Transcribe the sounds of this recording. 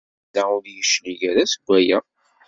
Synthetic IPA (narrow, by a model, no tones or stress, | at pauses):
d̪æʊɾjəʃliʝæɾæsəɡʷːæjæ